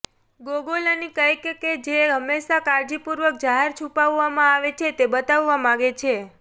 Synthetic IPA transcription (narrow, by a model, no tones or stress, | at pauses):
ɡoɡolanikəjkked͡ʒeɦəmːeʃakaɾd͡ʒipuɾʋək̚d͡ʒaɦeɾt͡ʃʰupaʋːamãaʋet͡ʃʰet̪ebət̪aʋːamãɡet͡ʃʰe